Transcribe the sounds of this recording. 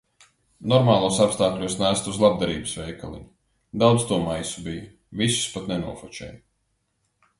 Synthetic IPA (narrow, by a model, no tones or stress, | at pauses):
nɔɾmaːlˠuɔsapst̪aːklʲuɔsnæːst̪uzlˠab̚d̪aɾiːbɨsvɛjkalˠḭɲu | d̪awd̪st̪uɔmajsubijɐ | visu̥spat̪nɛnṵɔfɔt͡ʃɛ̰ːj